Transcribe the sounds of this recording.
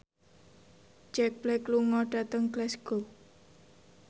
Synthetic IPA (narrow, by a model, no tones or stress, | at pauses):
d͡ʒɛk̚b̥lɛkluŋɔɖ̥a̤t̪əŋɡlɛsɡ̥o